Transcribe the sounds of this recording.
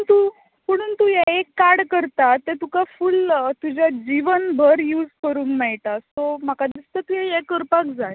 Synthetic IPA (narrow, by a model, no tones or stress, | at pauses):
ənt̪u | məɽ̃uːnt̪ujɛekːaɾɽkəɾt̪at̪ːet̪ukafult̪ud͡ʑad͡ʑiʋənbʱəɾjuːd͡zkəɾuːŋkmɛɭʈast̪om̤akad̪ist̪ət̪ujɛjekəɾpakd͡zaj